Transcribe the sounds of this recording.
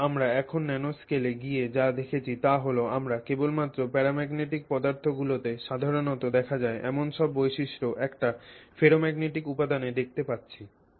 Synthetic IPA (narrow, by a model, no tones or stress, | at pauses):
amɾaɛkʰonːɛnoskeleɡied͡ʑad̪ekʰet͡ɕʰit̪aɦoloamɾakebolmat̪ːɾopɛɾamɛɡneʈik̚pɔd̪aɾt̪ʰoɡulot̪eʃad̪ʱaɾonot̪od̪ɛkʰad͡ʑaeʔɛmonʃɔbːojʃiʃɾoʔɛkʈafeɾomɛɡneʈikupad̪aned̪ek̚ʰt̪epatːɕʰi